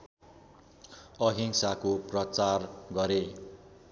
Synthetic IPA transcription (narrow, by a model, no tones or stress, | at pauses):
ʌɦiŋsakoprʌt͡sarɡʌɾe